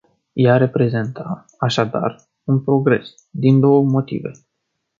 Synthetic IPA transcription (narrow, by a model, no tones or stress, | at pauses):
jaɾe̞pɾe̞ze̞nt̪a | aʃad̪a̰r | unpɾo̞ɡɾe̞s | d̪ind̪o̞wəmo̞t̪ḭve̞̰